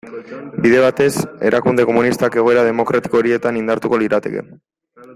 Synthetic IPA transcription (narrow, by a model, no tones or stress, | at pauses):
biðe̞β̞at̪e̞se̞̰ɾʔakund̪e̞ko̞munist̪ake̞ɣo̞e̞ɾað̞e̞mo̞kɾʔat̪i̥ko̞oɾie̞t̪anind̪aɾt̪uko̞liɾat̪e̞̰kḛ